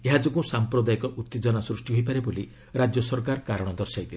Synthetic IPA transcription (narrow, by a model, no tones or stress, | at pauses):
eɦad͡ʒokũsampɾɔd̪ajɔkɔʔut̪ːed͡ʒɔnasɾusʈiɦojpaɾeboli | ɾad͡ʒjɔsɔɾkaɾkaɾɔɽ̃ɔd̪ɔɾsajt̪ʰil